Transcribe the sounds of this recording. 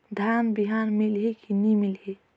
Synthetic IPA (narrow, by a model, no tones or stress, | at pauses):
d̪ʱanbiɦanmilɦikinimilɦi